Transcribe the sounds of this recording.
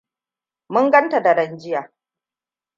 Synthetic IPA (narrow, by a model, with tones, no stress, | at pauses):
mʊ˦ŋɡɐ˦nta˨da˨ɽɐ˨nd͡ʒɪ˦jaː˨